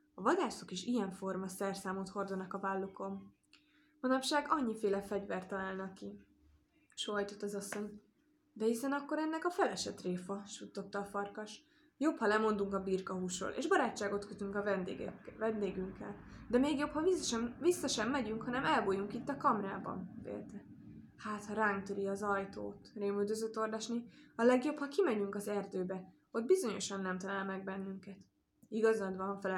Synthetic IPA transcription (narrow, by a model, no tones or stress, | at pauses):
ɒvɒd̪aːso̞kiʃijɛɱfo̞rmɒsɛrsaːmoːt̪ho̞rd̪onɒkɒvaːlːoko̞m | bonɒpʃaːɡɒɲːifeːlɛfɛɟvɛrt̪ːɒlaːlnɒkːi | ʃoːɒjt̪o̞t̪ːɒzɒsːo̞ɲ | d̪ɛisɛnɒkːo̞ɾɛnːɛkɒfɛlɛʃɛt̪reːfɒʃut̪ːo̞t̪ːɒːfɒrkɒʃ | jo̞phɒlɛmo̞nd̪uŋkɒbiːrkɒɦuːʃro̰lʔḛːʒbɒɾaːt͡ʃːaːɡo̞t̪køt̪yŋkɒvnd̪vɛnd̪eːɡyŋkːɛ̰ld̪ɛmeːɡjo̞phɒvisʃɛmvisːɒʃɛmːɛɟyŋkhɒnɛmɛlboːjuŋkit̪ːɒkɒmraːbɒ̰nbḛːlt̪ɛ | haːt̪hɒɾaːŋk̚t̪øɾiɒzɒjt̪o̰ːt̪reːmyld̪øzøt̪ːo̞rd̪ɒʃniɒlɛɡjo̞phɒkimɛɲyŋkɒzɛrd̪øːbɛ | o̞t̪̚bizo̞ɲo̞̰ʃɒnːɛmt̪ɒlaːlmɛɡ̚bɛnːyŋkɛt̪ | iɡɒzɒd̪ʋɒfɛ